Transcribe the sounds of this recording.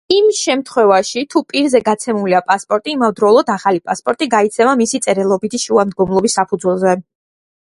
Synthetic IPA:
imʃɛmt̪ʰχwɛvaʃit̪ʰupʼiɾzɛɡat̪sʰɛmuliapʼaspʼɔɾt̪ʼiːmavd̪ɾɔlˠɔd̪aχalipʼaspʼɔɾt̪ʼiɡait̪sʰɛmamisit̪sʼɛɾɛlˠɔbit̪ʰiʃuamd̪̚ɡɔmlˠɔbisːapʰud̪zwɛlˠzɛ

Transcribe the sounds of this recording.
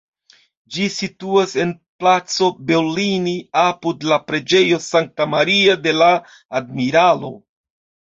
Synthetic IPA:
d͡ʒisituase̞n | plat͡so̞be̞ɾliniapudlapɾe̞d͡ʒe̞jo̞saŋk̚tamaɾiade̞laː | d̚miɾalo̞

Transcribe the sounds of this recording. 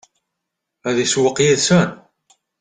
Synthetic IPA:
æðiswəqːjiðsæn

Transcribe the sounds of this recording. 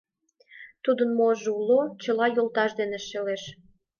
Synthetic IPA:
t̪ud̪ənmoʒeulːot͡ɕəlɑjolt̪ɑʃd̪eneʃeleʃ

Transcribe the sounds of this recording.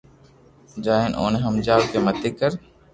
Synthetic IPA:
d͡ʒaːɦeno̰ːneɦəmd͡ʒaːʋkemət̪ekəɾ

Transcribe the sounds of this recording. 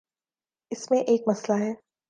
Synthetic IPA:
ɪsmẽʔeːkmɐslaɦɛː

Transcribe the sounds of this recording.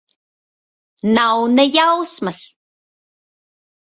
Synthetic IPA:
nawnəjawsmas

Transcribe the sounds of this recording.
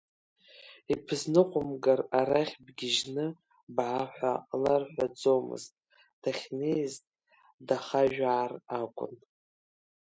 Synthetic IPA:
ipʰɨznɨqʷʼʊmɡaraɾaχʲbɡʲɪʒnɨ | bʕaħʷa̰larħʷᶣad͡zowmɨ̰ztʼ | d̥aχʲnejztʼ | daχaʒᶣaːrakʷʼʊ̰n

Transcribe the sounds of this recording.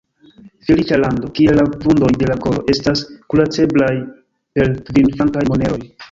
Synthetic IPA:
filit͡ʃalando̞kie̞lːavundo̞jde̞lako̞lo̞̰ʔe̞staskulat͡se̞blaj | pe̞ɾtvinfaŋkajmone̞o̞j

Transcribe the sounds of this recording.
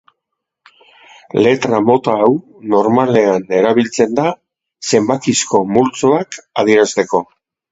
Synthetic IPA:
le̞t̪ɾamo̞t̪aːw | no̞ɾmale̞ane̞ɾaβ̞ilt͡se̞nd̪a | se̞mbakisko̞mult͡soakaðieɾast̪e̞ko̞

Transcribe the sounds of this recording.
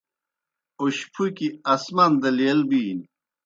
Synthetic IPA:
uɕpʰukiɐsmɐnd̪ɐliɐlbiːn

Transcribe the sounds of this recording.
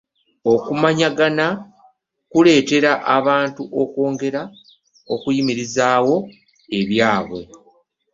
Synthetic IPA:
o̞kumaɲaɡana | kule̞ːte̞ɾaʔaβaːntuʔo̞ko̞ːŋɡe̞ɾa | okujimiɾizaːwo̞ | e̞βjaːβwe̞̰

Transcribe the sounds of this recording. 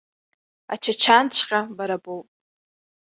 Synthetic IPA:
a̰t͡ʃʰat͡ʃʰant͡ʃʷʰqʲʼabaɾabowpʼ

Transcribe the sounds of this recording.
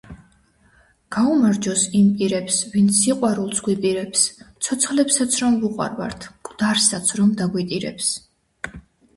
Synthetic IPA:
ɡ̥aumaɾd͡ʒɔsimpʼiɾɛpsvint̪sʰiqʼwaɾulˠsɡwipʼiɾɛpst̪sʰɔt̪sʰχlɛpsat̪sʰɾɔmvuqʼwa̰ɾva̰ɾt̪ʰkʼd̪̥aɾsat̪sʰɾɔmd̪aɡwit̪ʼiɾɛ̰ps

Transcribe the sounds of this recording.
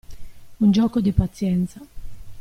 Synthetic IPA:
und͡ʒɔːkod̪ipat̪sːjɛnt̪sa

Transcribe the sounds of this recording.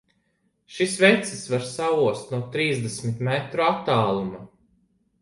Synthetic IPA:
ʃisvɛt̪sisvaɾsauɔst̪nuɔt̪ɾiːzd̪ɛsmit̪mɛt̪ɾuat̪ːaːlˠuma

